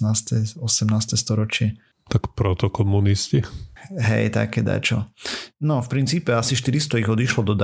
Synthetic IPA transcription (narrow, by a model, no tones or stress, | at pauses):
naːst̪ɛɔsɛmnaːst̪ɛst̪ɔɾɔt͡ʃɪɛ | t̪akpɾɔt̪ɔkɔmunisciɦɛ̰jt̪a̰kɛd̪a̰t͡ʃɔnɔfpɾint͡siːpɛasiʃt̪iɾist̪ɔiɣɔd̪iʃlɔd̪ɔd̪